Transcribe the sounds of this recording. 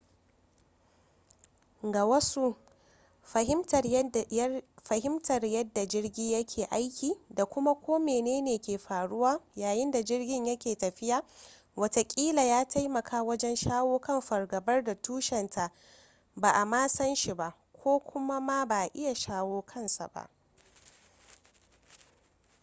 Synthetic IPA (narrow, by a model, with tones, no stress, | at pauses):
ɡa˨wɐ˦su˦ | ɐ˨hɪ˦m˨ | ɸɐ˨ɦɪ˦mtʰɐ˨rjɐ˦dːa˨d͡ʒɪ˦rɡʲiː˦jɐ˦kʲʰeː˨ʔa˦jkʲiː˨da˨kʷʊ˦ma˦kʷʰoː˦meː˨neː˦neː˨kʲeː˨ɸaː˨ɽʊ˦waː˦jaː˨jɪ˦nda˨d͡ʒɪ˦rɡʲɪ˦ɲjɐ˦kʲeː˨tɐ˨ɸɪ˦jaː˨ | wɐ˦ta˨kʲʼiː˦la˨jaː˦tʰa˦jmɐ˨kʰaː˦wɐ˦d͡ʒɛ˦nʃaː˦woː˦kɐ˦mɸɐ˨rɡɐ˨bɐ˦rda˨tuː˦ʃɛ˨ntʰa˨ʔ | ba˨ʔa˨maː˦sɐ˦nʃi˨ba˨ʔ | kʷoː˦kʷʊ˦ma˦ma˦ba˨ʔɪ˦ja˨ʃaː˦woː˦kʰɐ˦nsa̰˨ba̰˨ʔ